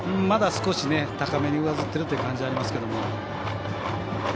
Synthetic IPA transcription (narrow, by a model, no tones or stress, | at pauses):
mad̪asɨ̥ko̞ɕine̞t̪akame̞ɲ̟iɯazɨt̪ːe̞ɾɯt̪ojɯ̟kãɲ̟d͡ʑiaɾʲimasɨ̥ke̞d̪o̞mo̞